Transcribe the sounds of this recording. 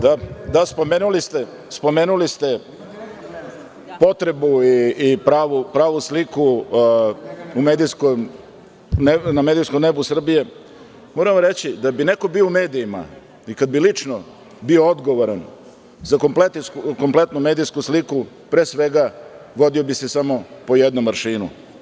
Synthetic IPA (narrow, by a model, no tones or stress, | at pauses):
d̪ad̪aspo̞meːnulist̪e | spo̞me̞ːnulist̪e̞ | po̞t̪ɾe̞buiːpɾaːʋupɾaːʋusliku | umed̪ijskom | nename̞ːd̪ijskomnebusr̩bije̞ | moːɾamoɾe̞t͡ɕid̪abine̞ko̞bioumeːd̪ijima̰ | ikad̪̚bilit͡ʂno | biood̪ɡoʋoɾan | zako̞mplet̪ikomple̞t̪numeːd̪ijskusliku | pɾeːsʋe̞ɡaʋo̞d̪io̞bisesamo̞po̞jed̪nomːaɾʃiːnṵ